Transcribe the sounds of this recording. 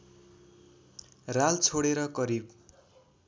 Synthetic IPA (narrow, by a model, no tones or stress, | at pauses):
ralt͡sʰoɽeɾʌkʌɾib